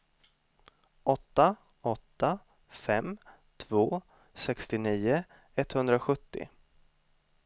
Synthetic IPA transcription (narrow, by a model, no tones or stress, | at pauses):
ʔɔt̪ːa | ɔt̪ːa | fɛm | t̪ʰvoː | sɛkst̪ɪniːʊ | ɛt̪ːhɵnd̪ɾaɧɵt̪ːɪ̰